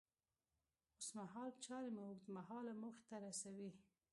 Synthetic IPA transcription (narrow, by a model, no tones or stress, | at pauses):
ʊsmaɦɑlt͡ʃɑɾemaukd̪maɦɑlamuxt̪aɾasawi